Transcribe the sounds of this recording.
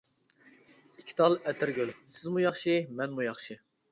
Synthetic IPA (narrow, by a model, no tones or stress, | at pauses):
ikʲʰi̥t̪ʰɑlˠɛt̪ʰɪɾɡʲølsɪzmujɑχʃimɛnmujɑχʃi